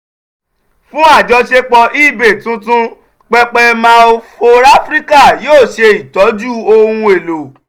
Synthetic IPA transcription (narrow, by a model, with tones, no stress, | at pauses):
fũ˦a˦˨d͡ʒɔ˧ʃe˧k͡pɔ˧ʔi˦˨be˨tũ˨˦tũ˦ | k͡pɛ˧k͡pɛ˧mã˦˧o˧fo˧ɾa˦fɾi˦ka˦˨joː˦˨ʃe˧i˨tɔ˨˦d͡ʒu˦o˧hũ˧e˨lo˨